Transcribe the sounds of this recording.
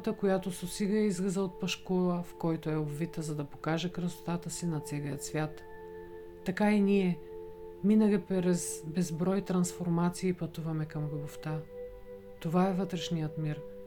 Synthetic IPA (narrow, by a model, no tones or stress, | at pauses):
t̪əkojat̪ososiɡəɛizɡəzəot̪̚pɐʃkɔlˠəfkɔjt̪oɛobvit̪əzɐd̪ɐpo̥kaʒɛkɾəso̥t̪at̪əsinɐt̪sɛɡijət̪svʲjat̪ː | ɐkainiɛ | minəɡipɾɛsbɛzbɾɔjt̪ɾɐnsfoɾmat̪siiːpɐt̪uvɐmɛkɐmɡʊboft̪a | t̪ovaɛvɤt̪ɾɛʃnijət̪miɾ